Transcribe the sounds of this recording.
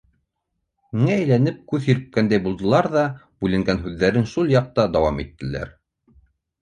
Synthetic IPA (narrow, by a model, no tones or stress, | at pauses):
miŋæːjlænɘp̚kʉðhĭɾɘ̆p̚kænd̪æjbulˠd̪ɤ̆lˠɑɾðɑbʉlɘ̆ŋɡænɦʉðːæɾɘnʃulˠjɑq̚t̪ɑd̪ɑwɑmit̪ːɘ̆læ̰ɾ